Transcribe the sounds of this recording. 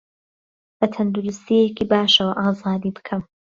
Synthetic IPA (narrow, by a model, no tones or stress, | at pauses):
bɐt̪ʰɐnd̪uɾust̪iekiːbaːʃɐwɐʔaːzaːd̪iːbɨ̥kʰɐm